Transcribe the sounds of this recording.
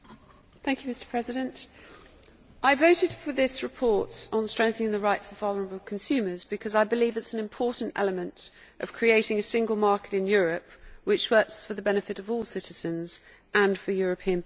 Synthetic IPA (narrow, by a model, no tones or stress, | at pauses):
θæ̃ŋkjʉmɪstə̥pʰɹ̥ɛzɪɾə̃nt | ʔaɪvəʊtɪd̥fəðɪsɹɪpʰɔˑtn̩stɹ̥ɛ̃ŋk̚θənɪ̃ŋðəɹaɪtsəvvɑlˠəɹəbəl̩ˠkʰə̃nsʉːməzbɨkʰʌzaɪbɪliːvɪtsən̩ɪ̃mpʰɔˑʔn̩tɛ̰ləmə̃nt | ʔə̰v̥kʰɹ̥ieɪtɪ̃ŋəsɪ̃ŋɡəlˠmɑˑkɪɾɪ̃njɔːɹəpwɪt͡ʃwɜˑksfəðəbɛñɨfɪɾəvɔːlˠsɪtɪz̥ə̃nz̥ | ʔə̃nfəjɔːɹəpʰĩə̃n